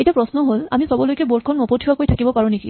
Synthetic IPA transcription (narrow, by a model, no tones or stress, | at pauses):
etiapɹɔsnɔɦolamisɔbɔlojkɛboɹ̚kʰɔnmɔpotʰiakojtʰakibɔpaɹũnikḭ